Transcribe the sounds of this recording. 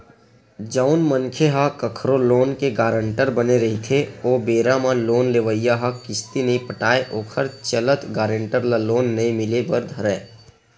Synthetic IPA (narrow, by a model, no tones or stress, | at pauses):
d͡ʒaʊnməŋkʰeɦakəkʰɾoloːnkeɡaːɾə̃ɳʈəɾbəneɾɐɦit̪ʰeoːbeːɾamãloːnleːʋəijaɦakɪst̪ineĩpəʈaːeʔoːkʰəɾt͡ʃələt̪ɡaːɾə̃ɳʈəɾlaloːnːɐĩmɪlebəɾd̪ʱəɾɛː